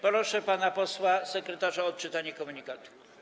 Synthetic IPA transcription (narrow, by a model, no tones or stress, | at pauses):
pɔɾɔʂɛpanapɔswasɛkɾɛt̪aʐaɔt̪̚t͡ʂɘt̪aɲɛkɔmuɲikat̪u̥